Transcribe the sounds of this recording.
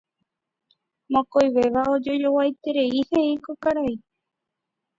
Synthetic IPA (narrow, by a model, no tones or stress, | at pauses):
mõkojʋeʋaod͡ʒojo̞wajt̪e̞ɾeihe̞ikokaɾai